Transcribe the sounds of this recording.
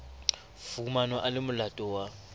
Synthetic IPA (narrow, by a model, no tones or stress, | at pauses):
fumanɔʔalɪmʊlatʼɔwa